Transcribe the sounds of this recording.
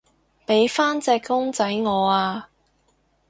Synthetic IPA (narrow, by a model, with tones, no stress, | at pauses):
pe˨˥jfaː˥nt͡sɛː˧kːʊ˥ŋt͡sɐ˨˥jŋɔː˨˧aː˧